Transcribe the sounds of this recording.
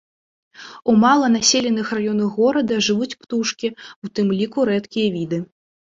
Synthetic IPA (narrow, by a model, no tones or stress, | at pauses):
umalˠɐn̪asʲelʲɛnɨxrajɔnɐɣɔɾɐd̪ɐʐɨvut͡sʲpt̪uʂkʲiut̪ɨmlʲikuɾɛt̪kʲijɐvʲid̪ɨ